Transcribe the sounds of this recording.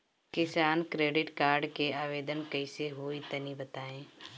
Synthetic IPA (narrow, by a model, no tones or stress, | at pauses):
kɪsaːnkɾeːɖɪʈkaːɾɖkeaːʋeːd̪ənkɐɪseɦoːit̪ɐnibət̪aːẽː